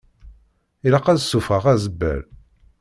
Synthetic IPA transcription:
iləqːæðsːufəʁæzəbːæ̰l

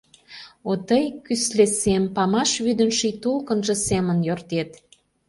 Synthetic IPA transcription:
ot̪əjkyslesempɑmɑʃβyd̪ə̆nʃijt̪ulkənʒə̆semənjørt̪et̪

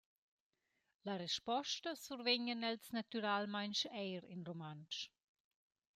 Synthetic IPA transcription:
laɾɛʃpɔʃtəsuɾveɲənɛlsnat̪yɾaːlmaɪnʃɛɪɾɪ̰nromanʃ

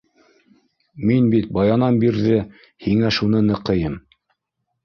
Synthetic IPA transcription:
minbit̪̚bɑjɑnɑnbiɾðɘ | hiŋæʃun̪ɤnɤ̆qɤ̆jɤm

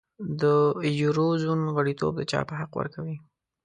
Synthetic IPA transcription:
d̪əjuɾozunɣaɽit̪o̰b̚d̪ət͡ʃɑ̰pəɦaqwə̰ɾkawi

